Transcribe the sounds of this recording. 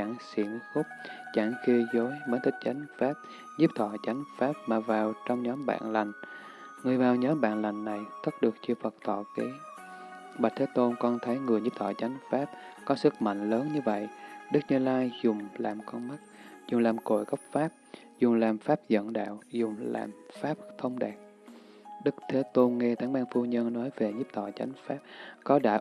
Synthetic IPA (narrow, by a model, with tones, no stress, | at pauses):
a˧˩ŋsḭ˧˩ənxʊ˦˥k͡p̚ | t͡ɕaː˧˩ŋxi˧əzo˨˦jməː˨˦nt̪ʰï˦˥k̟̚t͡ɕa˨˦jŋ̟faː˦˥p̚ | zi˦˥p̚t̪ʰɔ̰˧˨t͡ɕa˨˦jŋ̟faː˦˥p̚maː˨˩vaː˨˩wt͡ɕɔ˧wŋ͡mɲɔ˨˦mɓa̰ː˧˨nla˨˩jŋ̟ | ŋɨ˨˩əjvaː˨˩wɲɔ˨˦mɓa̰ː˧˨nla˨˩jŋ̟ːa˨˩jt̪ʰə˦˥t̚ɗɨ˨˩ək̚t͡ɕɨ˧fə˨˩k̚t̪ʰɔ˧˨ke˨˦ | ɓa˨˩t̚t̪ʰeː˨˦t̪o˧nkɔ˧nt̪ʰə˨˦jŋɨ˨˩əjzi˦˥p̚t̪ʰɔ̰˧˩t͡ɕa˨˦jŋ̟faː˦˥p̚kɔ˨˦sɨ˦˥k̚ma̰˧˨ŋ̟ləː˨˦nɲɨ˧və̰˧˨jʔɗɨ˦˥k̚nɨ˧laː˧jzʊ˨˩ŋ͡mlaː˨˩mkɔ˧nma˦˥t̚zʊ˨˩ŋ͡mlaː˨˩mko̰˧˩˨jɣə˦˥wk͡p̚faː˦˥p̚ | zʊ˨˩ŋ͡mlaː˨˩mfaː˦˥p̚zə̰˧˨nɗa̰ː˧˨wzʊ˨˩ŋ͡mla̰ː˨˩mfaː˦˥p̚t̪ʰə˧wŋ͡mɗaː˨˩k̚ | ɗɨ˦˥k̚t̪ʰe˨˦t̪o˧nŋɛ˧t̪ʰaː˨˦ŋɓaː˧nfu˧ɲə˧nnɔ˨˦jve˨˩ɲi˦˥p̚t̪ʰɔ̰ː˧˨t͡ɕa˨˦jŋ̟faː˦˥p̚kɔ˨˦ɗa̰ː˧˥